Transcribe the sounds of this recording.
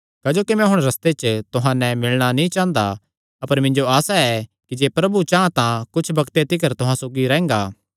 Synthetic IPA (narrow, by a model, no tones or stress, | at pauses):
kaːd͡ʒoːkimɛ̃ɦʊɽ̃ɾɐst̪et͡ʃt̪ʊɦãnɛ̃mɪlɽ̃anĩt͡ʃãːnd̪a | ɐpəɾmɪ̃ɲd͡ʒoaːsaɛ | kid͡ʒeːpɾɐbut͡ʃaːãt̪ãkʊt͡ʃʰbɐkt̪et̪ɪk̬əɾt̪ʊɦãsoːɡiɾɛ̃ːŋ̆ɡaː